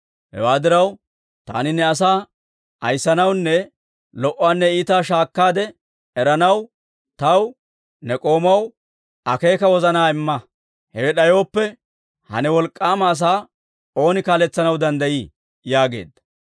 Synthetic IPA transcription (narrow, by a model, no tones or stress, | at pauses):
hɛ̰waːd̪ɪɾɐw | t̪a̰ːnɪnːɛɐs̬aː | ɐ̰jsːɐnɐwnːɛ | lɔʔːaːnːɛiːt̪aːʃaːkːaːd̪ɛ | ɛɾɐnɐw | t̪ɐw | nɛkʼo̞ːmɐw | ɐke̞ːkɐwɔzɐnaːɪmːɐ | hɛɛɗɐjo̞ːpːɛ | hɐ̰nɛwɔlkʼːaːmɐːs̬aː | o̞ːnɪkaːlɛt͡sːɐnɐwd̪ɐnd̪ɐjiː | jaːɡe̞̰ːd̪ːɐ